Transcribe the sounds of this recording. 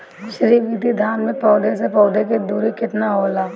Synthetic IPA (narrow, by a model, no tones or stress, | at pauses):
ɡʊʃɾiʋiːd̪id̪ʱaːnmẽpɔːd̪ʱesepɔːd̪ek̬ed̪uːɾikɪt̪naɦoːlaː